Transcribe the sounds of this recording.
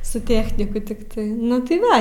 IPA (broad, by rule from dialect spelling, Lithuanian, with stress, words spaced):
sʊ ˈtʲæːxʲnʲɪkʊ tʲɪkˈtɐɪ ˈnʊ tɐɪ ˈʋɐ